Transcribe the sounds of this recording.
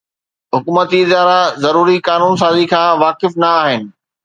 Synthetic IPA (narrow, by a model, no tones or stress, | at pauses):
ɦʊkuːmət̪iɪzaːɾazɐɾuːɾikaːnuːns̬aːzikʰãːʋaːkɪfnɐaːɦɪnɪ̆